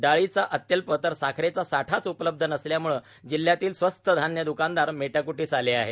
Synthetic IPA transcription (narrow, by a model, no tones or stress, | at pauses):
ɖaɭit͡saʔət̪jəlpət̪əɾsakʰɾet͡sasaʈʰat͡supələb̚d̪ʱənəsljamuɭə | d͡ʑil̤ːjat̪iːlsʋəst̪əd̪ʱanjəd̪ukand̪aɾmeʈakuʈiːsaleaɦe